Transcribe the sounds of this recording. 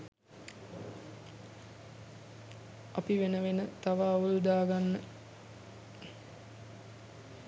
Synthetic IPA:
apiʋenəʋenət̪aʋaːulud̪aːɡanːə

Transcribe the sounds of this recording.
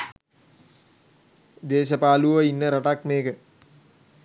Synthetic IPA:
d̪eːʃəpaːluʋəinːəɾaʈakmeːkə

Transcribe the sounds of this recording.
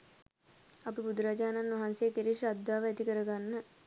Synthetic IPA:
ɐpibud̪uɾad͡ʒaːnanːʋaɦansejəkeɾiʂad̪ːaːʋəæt̪ikəɾəɡanːə

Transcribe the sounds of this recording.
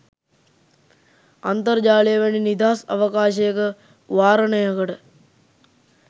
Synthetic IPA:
ant̪əɾd͡ʒaːlijəʋɐninid̪aːsɐ̰ʋəkaːʃəjəkə | ʋaːɾənəjəkəʈə

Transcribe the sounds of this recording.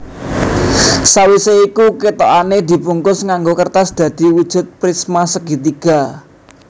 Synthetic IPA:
sawiseikukit̪oaned̪i̤puŋkʊsŋaŋɡokərt̪asd̪̥ä̤d̪̥i̤wud̥ʒ̥ṳt̪̚pɾismasəɡ̥it̪iɡ̥a̤

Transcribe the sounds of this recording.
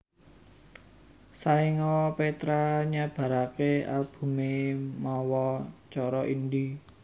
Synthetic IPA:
saiŋɔpet̪ɾaɲab̥ä̤ɾakealb̥ṳmemɔwɔt͡ʃɔɾɔʔind̪i

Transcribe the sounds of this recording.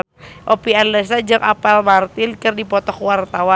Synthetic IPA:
ʔopianlɛsad͡ʒaŋʔa̰pɛlmart̪ɪnkərdipɔt̪ɔkwart̪awa

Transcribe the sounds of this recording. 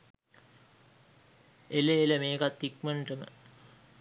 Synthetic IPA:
eleeləmeːkat̪ːik̚məɳʈəmə̰

